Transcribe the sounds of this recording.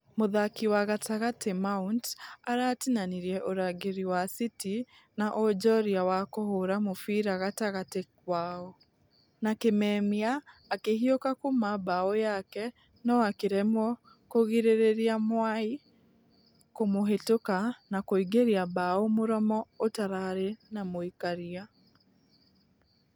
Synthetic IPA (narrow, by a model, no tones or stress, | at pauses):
moðakiwaɣataɣatʰemauntaɾaːtinaniɾjɛʔoɾaɣeɾiwasiti | naʔod͡ʒɔɾiawakohoɾamofiɾaɣataɣatekwaɔ | nakemɛmiaːkeɦiokakomabaɔjakɛ | nɔakeɾɛmwɔ | koɣiɾeɾeɾiamwai | komoɦetokanakoiɡeɾiabaomoɾɔmɔotaɾaɾenamoikaɾia